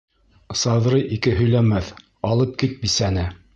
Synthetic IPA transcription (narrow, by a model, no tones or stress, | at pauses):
sɑðɾɤjʔikɘɦɵ̆jlæmæθ | ɑlˠɤp̚kit̪̚bisænɘ